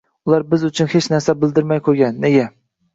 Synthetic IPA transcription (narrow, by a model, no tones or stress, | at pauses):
ʊlˠɑɾbɪzʊt͡ʃʰʊnhet͡ʃʰnæɾsæbɪld̪ɪɾmajkʰɵɾɡʲɛnːeɡʲɛ